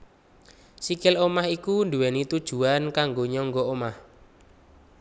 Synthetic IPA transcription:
sikɪlomahikund̪uwɛnit̪ud̥ʒ̥ṳankaŋɡoɲɔŋɡɔomah

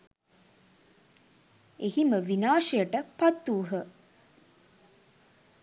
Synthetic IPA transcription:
ehiməʋinaːʂɐjəʈəpɐt̪ːuːɦə

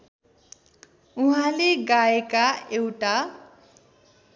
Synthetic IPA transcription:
ũɦãleɡaekaewʈa

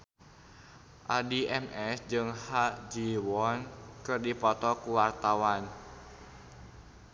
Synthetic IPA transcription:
ʔadiʔɛmɛsd͡ʒɨŋhad͡ʒiwɔnkɨrdipɔt̪ɔkuwart̪awan

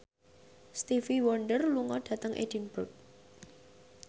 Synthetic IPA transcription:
st̪ifiwɔɳɖərluŋɔɖ̥ä̤t̪əŋʔḛd̥inb̥ʊk̚

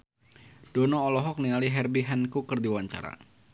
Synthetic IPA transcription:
d̥ɔnɔːlɔɦɔk̚nialiɦɛrbiɦɛnkukərdiwaɲt͡ʃa̰ɾa̰

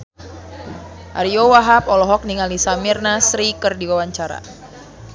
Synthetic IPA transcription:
ʔa̰ɾiowaɦapɔlɔɦɔk̚niŋalisamirnasɾikɨrdiwawaɲt͡ʃaɾa̰

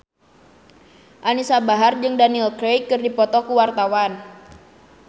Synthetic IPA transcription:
ʔanisabaɦard͡ʒɨŋdaniɛlkɾejkːɨrdipɔt̪ɔkuwart̪awan

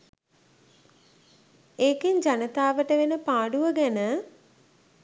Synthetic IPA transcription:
eːkeɲd͡ʒanət̪aːʋəʈəʋenəpaːɖuʋəɡænə

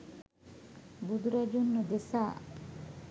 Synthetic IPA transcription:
bud̪uɾɐd͡ʒunːud̪esaː

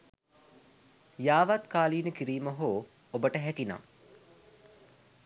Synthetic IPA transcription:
jaːʋat̪kaːliːnəkiɾiːməɦoː | obəʈəɦækina̰ː

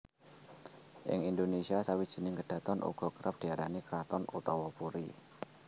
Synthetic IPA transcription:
ʔɪ̰ŋind̪onesiasawid̥ʒ̥i̤nɪŋɡəɖ̥ä̤t̪ɔnʔṵɡ̥ɔ̤kəɾʔəp̚d̥i̤aɾanikɾat̪ɔnṵt̪ɔwɔpuɾi

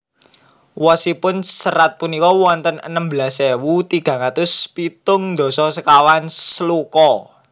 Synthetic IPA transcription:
wɔsipʊnsəɾat̪̚punikɔwɔnt̪ənə̰nəmbəlasewut̪iɡ̥ä̤ŋat̪ʊspit̪ʊŋnd̪ɔ̤sɔsəkawanslukɔ

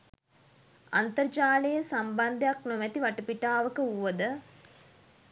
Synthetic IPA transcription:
ant̪ərd͡ʒaːlejəsamband̪ejaknomɛt̪iʋaʈəpiʈaːʋəkəuʋːəd̪ə

